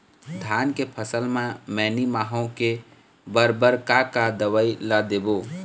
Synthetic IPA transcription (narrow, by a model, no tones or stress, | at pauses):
d̪ʱaːnkepʰəsəlmẽmɛːnimaːɦõke | bəɾbəɾkakad̪əʋəilad̪eːboː